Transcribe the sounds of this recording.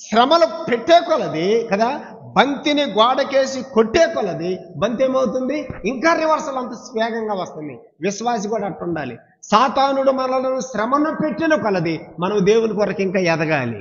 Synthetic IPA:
ʃɾɐmɐlɐpeʈːeːkɔlɐd̪ikɐd̪aː | bɐnt̪iniɡaːɽɐke̞ːsikoʈːeːkɔlɐd̪ibɐnt̪eːmɐwut̪̬und̪iːŋkaːɾiʋɐɾsɐlɐnt̪ɐsʋɛːɡɐŋɡaːʋɐst̪und̪i | ʋiʃʋaːsikuːɽɐːʈːuɳɖaːlḭ | saːt̪aːnuɽumɐɐlɐnuʃɾɐmɐnupeʈːinɐkɐlɐd̪imɐnɐmd̪e̞ːwunikɔɾɐkiŋkaːɛd̪ɐɡaːlḭ

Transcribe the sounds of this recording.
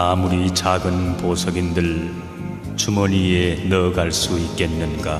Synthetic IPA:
amuɾit͡ɕaɡɯnposʰʌɡindɯɭ | t͡ɕumʌnienʌɡaɭs͈uit̚k͈e̞nːɯnɡa

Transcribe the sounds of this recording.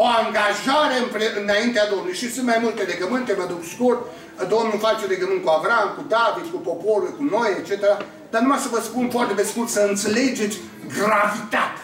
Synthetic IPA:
oaŋɡaʒaɾe̞ɨmpɾeɨnaint̪ead̪o̞mnlujʃisɨnt̪̚majmult̪ele̞ɡəmɨnt̪e̞məd̪ukskurt̪̚ | d̪o̞mnufat͡ʃeleɡəmɨnt̪̚kuavɾamkud̪avit̪kupo̞poɾujʲkuno̞jet͡ʃet̪eɾa | d̪̥arnumajsəvəspunfoart̪epeskurt̪səɨnt̪se̞le̞d͡ʒet̪sʲ | ɡravit̪at̪

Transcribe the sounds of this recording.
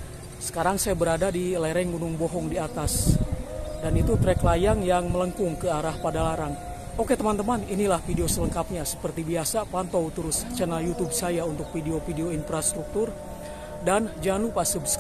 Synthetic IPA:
sə̥kaɾaŋsajabəɾadadilaɾɛŋɡunʊŋbɔɦɔŋdiat̪as | danit̪ut̪ɾɛklajaŋjaŋmələŋkʊŋkəaɾahpadalaɾaŋ | oket̪əmant̪əmaninilahfideosələŋkap̚ɲasə̥pərt̪ibiasapant̪ɔwt̪əɾʊst͡ʃənaljut̪ub̚sajaunt̪ʊk̚fideofideoinfɾast̪ɾuk̚t̪ʊr | dand͡ʒanupasəbs

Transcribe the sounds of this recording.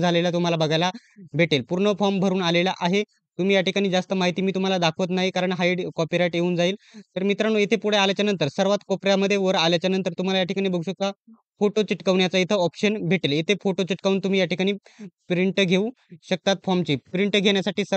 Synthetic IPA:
d͡zʱalelat̪um̤alabəɡʱajla | bʱeʈelpuɾɳəfɔmbʱəɾuːnalelaʔaɦe | t̪um̤iːjaʈʰikaɽ̃iːd͡zast̪əmaɦit̪iːmiːt̪um̤alad̪akʰʋət̪naɦikaɾəɳɦaiɖkɔpiɾajʈjeuːnd͡zaiːlt̪əɾmit̪ɾañuːet̪ʰepuɽ̤ealjat͡ɕjanənt̪əɾsəɾʋat̪kɔpɾjaməd̪ʱːjeʋəɾaljat͡ɕjanənt̪əɾt̪um̤alajaʈʰi̥kaɽ̃ibəɡuɕəka | foʈot͡ɕiʈkəʋɳjat͡sait̪ʰəɔpɕənbʱeʈelet̪ʰefoʈot͡ɕiʈkauːnt̪um̤iːjaʈʰikaɽ̃iːpɾiɳʈɡʱeũ | ɕək̚t̪at̪fɔɾmt͡ɕiːpɾiɳʈɡʱeɳ̃jasaʈiːsə

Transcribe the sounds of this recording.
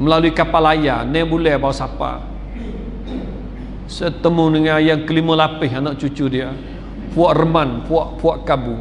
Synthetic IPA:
məlaluikapalaja̰nɛbulɛhbawsapa̰ | sət̪əmunəŋajaŋkəliməlapɪɦanɔʔt͡ʃut͡ʃudia | puɔʔrəmanpuɔʔpuaʔkabu

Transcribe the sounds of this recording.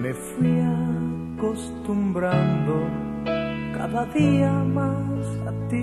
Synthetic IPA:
mefia | kost̪umbɾand̪o | ka̰ðaðiamas | a̰t̪i

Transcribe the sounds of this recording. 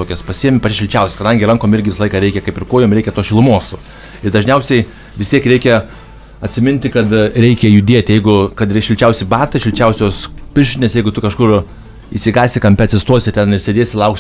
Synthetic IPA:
oːkʲɛspɐsʲiɛmʲɪpɐtʲɪʃʲɪlʲt͡ʃʲɛʊsʲskɐd̪ɐŋʲɡʲɪɾɐŋkoːmɪɾʲɡʲɪʋʲɪslˠɐɪkɐɾʲɛɪkʲɛkɐɪpɪrkoːjoːmɾɛɪkʲɛt̪oːsʃʲɪlˠʊmuɔs | ɪɾd̪ɐʒʲnʲɛʊsʲɛɪ | ʋʲɪst̪ʲiɛkɾʲɛɪkʲɛ | ɐtʲsʲɪmʲɪnʲt̪ʲɪkɐt̪ɾʲɛɪkʲɛjʊd̪ʲiɛt̪ʲɪjɛɪɡʊkɐt̪ʃʲɪlʲt͡ʃʲɛʊsʲɪbɑːt̪ɐʃʲɪlʲt͡ʃʲɛʊsʲoːspʲɪʃʲɪnʲeːsjɛɪɡʊt̪ʊkɐʃkʊr | isʲɪɡɑːsʲɪkɐmʲpʲæːt̪ʲsʲɪst̪oɔsʲɪt̪ʲɛnɪrsʲeːdʲeːsʲɪlˠɐʊks

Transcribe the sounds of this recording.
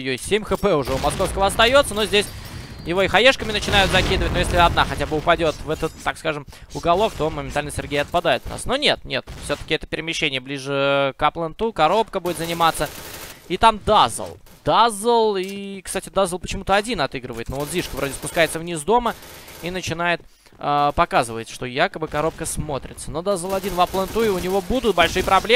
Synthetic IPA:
josʲemʲxɨpɛʊʐɛʊmɐsko̞fskəvəɐst̪ɐjo̞t̪sənozʲdʲesʲjɪvo̞ixɐjeʂkəmʲɪnət͡ɕɪnajʊt̪zɐkʲid̪ɨvət̚ʲnojeslʲɪɐd̪naxɐtʲabɨʊpɐdʲo̞t̪vɛt̪ət̪ːakskaʐɨm | ʊɡɐlˠo̞k̚t̪o̞məmʲɪnt̪alʲnəsʲɪ̰rɡʲejəɐt̪̚pɐd̪ajɪt̪vna̰sno̞nʲe̞t̪nʲe̞t̪fsʲot̪ə̥kʲɪɛt̪ə̥pʲɪɾʲɪmʲɪɕːenʲɪjəblʲiʐɨkɐplˠənt̪ukɐɾo̞p̚kəbudʲɪt̪zənʲɪmat̪sːəit̪amd̪azə̰lˠ | d̪̥azəlˠikst̪atʲɪd̪azəlˠpət͡ɕɪmut̪əɐdʲinɐt̪ɨɡɾɨvəjɪt̪novo̞t̪zʲiʂkəvɾo̞dʲɪspʊskajɪt̪səvnʲizd̪o̞məinət͡ɕɪnajɪt̪̚ | əpɐkazɨvəɪt̪ʂt̪o̞jakəbɨkɐɾo̞p̚kəsmo̞t̪ɾʲɪt̪səno̞d̪azːəlˠɐdʲinvɐplˠənt̪uɪʊnʲɪvo̞bud̪ʊt̪̚bɐlʲʂɨjpɾɐblʲe

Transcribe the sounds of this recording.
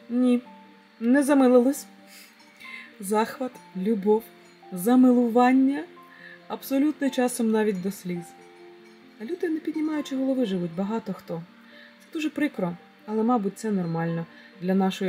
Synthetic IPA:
nʲi | nɛzɐmɪlˠɪlˠɔsʲ | zɑxʋɐt̪lʲubɔw | zɐmɪlˠʊʋɑnʲːɐ | ɐbsɔlʲut̪nɪt͡ʃɑsɔmnɑʋʲit̚ʲd̪ɔsʲlʲiz | ɐlʲud̪ɪnɛpʲid̪ʲnʲimɑjʊt͡ʃɪɦɔlˠɔʋɪʒɪʋutʲbɐɦɑt̪ɔxt̪ɔ | sɛd̪uʒɛpɾɪkɾɔ | ɐlˠɛmɑbut̚ʲt̪sɛnɔrmɑlʲnɔ | d̪lʲɐnɑʃɔj

